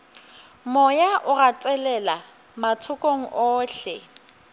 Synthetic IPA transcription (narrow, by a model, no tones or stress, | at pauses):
mɔjaʔʊrat͡sʼɛlɛla | matʰʊkʼoŋ̩ʔɔːɬɛ̰